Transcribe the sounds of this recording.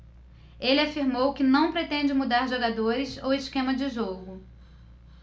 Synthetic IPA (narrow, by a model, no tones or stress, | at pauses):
elɪafiɾmowkɪnɐ̃w̃pɾet̪ẽnd͡ʒɪmud̪aɾʒoɡad̪oɾɪsowɪskẽmɐd͡ʒɪʒoɡʊ